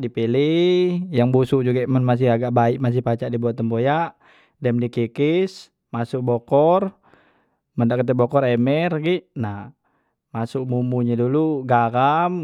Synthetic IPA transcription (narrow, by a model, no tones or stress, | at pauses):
dipilihjaŋbusuʔd͡ʒuɡamənmas̬ɪhaɡaʔbaiʔmas̬ɪhpat͡ʃaʔdibuat̪ːəmbojaʔ | dɛmdikikis | masʊk̚bɔkɔr | məndaʔkət̪̬ɛbɔkɔrɛmɛrɡiʔna | masʊk̚mumuɲaduluɡaɡam